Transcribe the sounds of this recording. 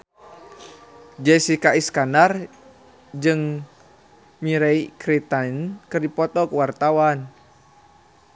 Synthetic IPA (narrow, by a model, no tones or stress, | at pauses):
d͡ʒɛsikaiskanar | d͡ʒɨŋ | miɾɛikɾit̪ankɨrdipɔt̪ɔkəwart̪awan